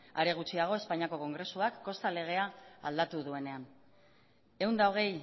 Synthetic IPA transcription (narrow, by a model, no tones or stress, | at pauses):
a̰ɾe̞ɣ̞ut͡ʃiaɣ̞o̞e̞spaɲiako̞ko̞ŋɡɾe̞suakːo̞st̪ale̞ɣ̞e̞aald̪at̪uðue̞ne̞an | e̞wnd̪ao̞ɣ̞e̞j